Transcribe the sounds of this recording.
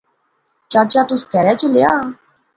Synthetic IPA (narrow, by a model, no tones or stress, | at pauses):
t͡ʃat͡ʃat̪usk̪ɛɾɛt͡ʃulea